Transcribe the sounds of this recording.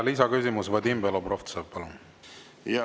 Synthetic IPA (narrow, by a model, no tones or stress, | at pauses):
lisɑkysimusvɤd̪imbeloproft̪səppɑlun